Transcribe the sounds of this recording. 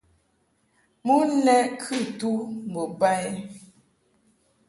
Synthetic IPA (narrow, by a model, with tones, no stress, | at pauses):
mu˦lɛ˦ʔkʰʉ˦˨tu˦m̩˨bo˨ba˦ɛ˦